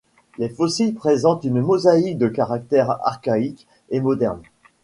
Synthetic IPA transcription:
lefɔsilpχezɑ̃t̪ynmɔzaik̚d̪əkaʁak̚t̪ɛʁa̰ʁkaik | emɔd̪ɛʁn

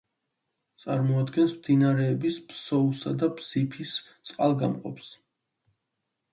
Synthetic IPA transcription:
t̪sʼaɾmɔad̪ɡɛnsmd̪inaɾɛːbisbsɔusa̰d̪abz̥ipʰist̪sʼqʼalˠɡa̰mqʼɔ̰ps

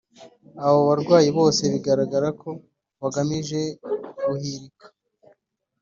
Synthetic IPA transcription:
aβoβaɾɡwaːjiβo̞ːse̞βiɡaɾaɡaɾako̞ | βaɡamiʒe̞ɡuhiɾikḁ

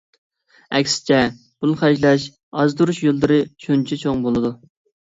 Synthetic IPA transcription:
ɛ̰kʲsɪ̥t͡ʃʰɛ | b̥ulˠχɑʃlˠɛʃ | ɑzd̪uɾuʃjolˠd̪ɨɾɨt͡ʃʰont͡ʃʰɛt͡ʃʰoŋbolˠɨd̪u

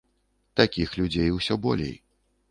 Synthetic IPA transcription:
t̪akʲixlʲud͡zʲejwsʲɔbɔ̰lʲḛj

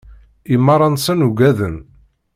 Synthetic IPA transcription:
imːɑɾˤɑnsənuɡæðən

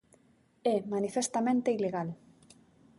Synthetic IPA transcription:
ɛmanifest̪amẽnt̪eileɣal

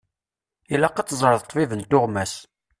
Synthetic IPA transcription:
ilæqɑt͡sːzˤəɾəðt̪ˤvivənt̪ːʊʁmæs

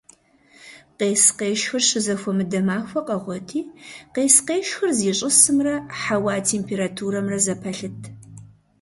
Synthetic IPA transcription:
qeːsqeːʃxɐrɕɨzɐxʷɔmɨdɐmaːxʷɐqʼɐʁʷɔtʰiːqeːsqeːʃxɨrziːɕʼɪsɨmrɐħawaːtʰeːmpʰeːɾatʰuːɾɐmrɐzɐpʰɐɬɨtʰ

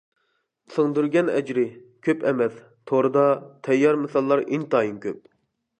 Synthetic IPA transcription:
səŋd̪yɾɡʲɛnɛ̰d͡ʒɾɪkʲʰøpʰɛmɛs | t̪ʰoɾɨd̪ɑt̪ʰɛjːɑɾmɨsɑlˠːɑɾint̪ɑːjinkʲʰøp̚

